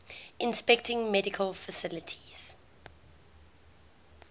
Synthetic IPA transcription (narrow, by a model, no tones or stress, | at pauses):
ʔɪ̃nspɛk̚tʰɪ̃ŋmɛdɪkʰəlfəsɪlətʰi̥z̥